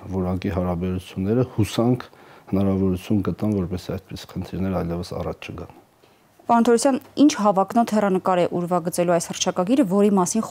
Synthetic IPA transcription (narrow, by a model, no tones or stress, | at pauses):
vɔɾɑkiɦɑɾɑbɛɾut͡sʰjunːɛɾəhusɑŋkʰhənɑɾɑvɔɾut͡sʰjunɡət̪ɑnvɔɾpɛsiɑjt̪̚pisi̥χənt̪ʰiɾnɛɾəɑjlɛvəsɑ̰rɑt͡ʃʰt͡ʃʰəɡɑn | pɑɾunt̪ʰɔɾɔsjɑnint͡ʃʰhɑvɑknɔt̪ʰhɛrɑnəkɑɾɛʔuɾvɑɡət͡sɛluɑjshəɾt͡ʃʰɑkɑɡiɾəvɔɾimɑsin